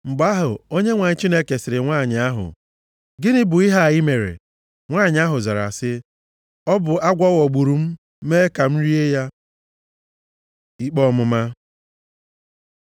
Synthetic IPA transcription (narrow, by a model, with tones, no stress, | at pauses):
m̩˨ɡ͡ba˦ɦʊ˨o˦ɲe˦ŋʷa˨ɲɪ˦t͡ʃi˦ne˦ke˨sɪ˨ɾɪ˨ŋʷa˦˨ɲɪ˨a˦ɦʊ̰˨ | ɡɪ˦nɪ˦bʊ˨i˦ɦa˦˨ɪ˦me˨ɾḛ˨ | ŋʷa˦˨ɲɪ˨˦a˦ɦʊ˨za˨ɾa̰˨sɪ˦ | ɔ˦bʊ˨a˦ɡʷɔ˦wɔ˨ɡ͡bu˨ɾu˨m̩˦ | meː˦ka˨m̩˦ɾi˦e˦ja˦ | i˦k͡pɔ˦mʊ˦ma˦